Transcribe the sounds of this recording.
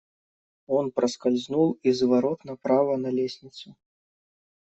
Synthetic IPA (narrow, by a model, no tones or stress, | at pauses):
ɔnpɾɐskalʲzʲnulˠizvaɾɔt̪nɐpɾavɐnɐlʲesʲnʲit̪su